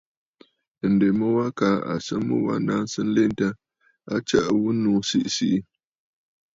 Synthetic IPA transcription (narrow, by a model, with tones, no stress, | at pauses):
n̩˨de˨mə˦wa˦ka˨˦a̰˨sə˦mə̰˦wa̰˦na˦n˦sɨ˦n̩˦le˦nta˦ | a˦t͡ʃə˦ʔwu˦nuː˨˦si˦ʔsi˦ʔi˦